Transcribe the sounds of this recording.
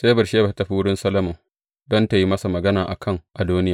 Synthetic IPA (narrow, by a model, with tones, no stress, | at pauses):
seː˦bɐ˨rʃeː˦ba˨˦tɐ˨ɸi˦wʊ˦ɽɪ˦nsɐ˦lɐ˦mo˨ | dɔ˦nta˨ji˦mɐ˦sa˨mɐ˨ɡɐ˦naː˨ʔa̰˨kʰɐ˦˨ŋʔa˨duː˦nɪ˦jaː˨